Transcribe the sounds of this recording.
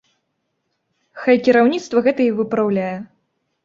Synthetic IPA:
xajkʲiɾawnʲit̪st̪vɐɣɛt̪ɐivɨpɾawlʲajɛ

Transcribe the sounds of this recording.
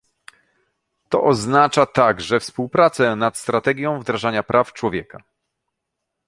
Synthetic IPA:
t̪ɔ̰ʔɔznat͡ʂat̪aɡʐɛfspuwpɾat̪sɛnat̪st̪ɾat̪ɛɡʲjɔ̃w̃vd̪ɾaʐaɲapɾʔaft͡ʂwɔvʲjɛka

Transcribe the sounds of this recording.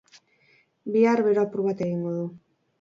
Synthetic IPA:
biaɾβe̞ɾo̞apuɾuβat̪e̞ɣiŋɡo̞ðu

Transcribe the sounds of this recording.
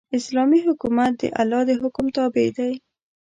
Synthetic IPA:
ɪslɑmiɦʊkumat̪̚d̪ə̰ʔalɑd̪əɦʊkʊmt̪ɑbed̪aj

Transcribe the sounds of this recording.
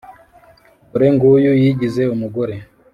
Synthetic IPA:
uɾeŋɡujujiɟize̞umuɡoɾe

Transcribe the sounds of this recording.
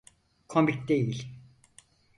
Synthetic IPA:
kʰombik̚d̪ejilʲ

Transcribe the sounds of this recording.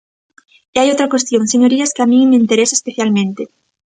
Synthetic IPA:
iajot̪ɾakwest̪jõŋseɲoɾiaskeamĩŋmeint̪eɾesaespeθjalmẽnt̪e

